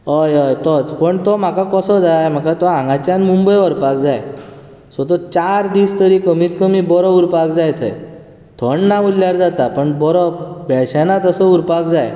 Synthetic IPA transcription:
ɦəjəjt̪ɔt͡spəɳt̪ɔm̤akakəsəd͡zajm̤akat̪ɔãŋɡãt͡ɕjanmumbəjɔɾpak̚d͡zaj | sɔt̪ɔt͡ɕaɾd̪iːst̪əɾikəmiːt̪kəmibɔɾɔuɾpakd͡zajt̪ʰə̰j | t̪ʰəɳnaʋulljaɾd͡zat̪apəɳbɔɾɔbɛɭɕanat̪əsɔuɾpakd͡zaj

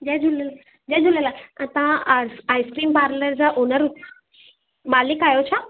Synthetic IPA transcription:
d͡ʑɛd͡ʑull | d͡ʑɛd͡ʑuləlat̪aãaːiskɾiːmpaːɾləɾd͡ʑaʔonəɾut̪ | maːlikaːjot͡ɕʰa

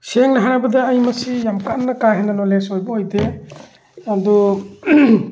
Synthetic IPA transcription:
seŋnaɦaɾajbadaːjmasijamkanːakaɦenanɔlesɔjbaɔjde | adɔ

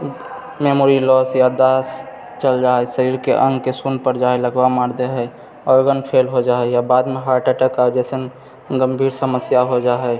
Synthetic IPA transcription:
memoɾilɔːsjad̪aːs | t͡ʃəld͡ʒaːɛsəɾiːɾkeʔə̃ŋɡkesunpəɾd͡ʒaːeləɡbamaɾd̪eɦɛ | ɔːɾɡənpʰelɦod͡ʒaːɦɛjabaːd̪mẽɦaʈəʈəkad͡ʒɛsən | ɡəmbʱiːɾsəməsjaɦod͡ʒaɦɛ

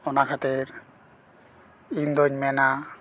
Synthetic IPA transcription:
ɔnakʰat̪ɛɾ | ind̪ɔɲmɛna

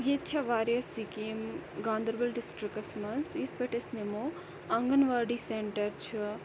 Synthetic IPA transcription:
jet͡ʃʰɐʋaːɾjɐɾsikimɡãːnd̪əɾbɐlɖisʈɾikːɐsmɐnsit̪ʰpeʈesnemo | ɐŋɡənʋɐɾɖiseɳʈɐɾt͡ʃʰu

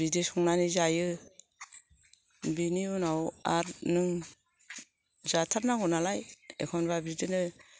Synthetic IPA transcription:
bidisɔŋnanizajɯ | biniunawaɾnɯŋ | zatʰaɾnaɡɔnalajḛkʰɔnbabidinɯ

